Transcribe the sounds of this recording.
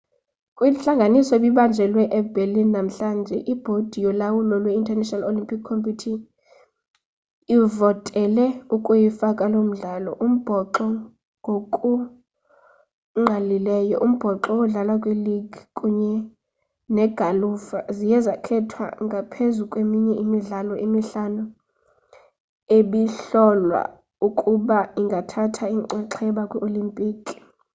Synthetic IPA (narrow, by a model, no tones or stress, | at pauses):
kʼwinɬaŋɡʱanisɔɓiɓand͡ʒʱɛlwɛʔɛbʱelinːam̩ɬand͡ʒʱɛʔib̥ʱod̥ʱijɔlawulɔlwɛintʰʼɛrnɛʃnalolimpʰʼikʰːompitʰi | ivɔtʼɛlɛukʼujifakʼalom̩ɮaːlɔ̰ʔum̩b̥ʱɔǃɔ | ŋɡʱokʼu | ŋ͡ǃalilɛjɔʔum̩b̥ʱɔǁɔwɔɮalakʼweliɡ̥ʱikʼuɲɛ | nɛɡ̥ʱalufazijɛzakʰɛtʰwa̰ŋɡʱapʰezukʼwemiɲɛʔimiɮalɔʔemiɬanu | eɓiɬɔlwa̰ | ukʼuɓaiŋɡʱatʰatʰaiǀɛǁʰɛɓakʼwɛʔolimpʼiːkʼi̥